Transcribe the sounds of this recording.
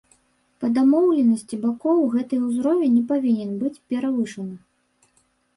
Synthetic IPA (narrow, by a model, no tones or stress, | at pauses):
pɐd̪amɔwlʲɛnɐsʲt͡sʲibakɔwɣɛt̪ɐjuzɾɔvʲɛnʲɛpavʲinʲɛnbɨt͡sʲpʲɛɾavɨʂɐnɨ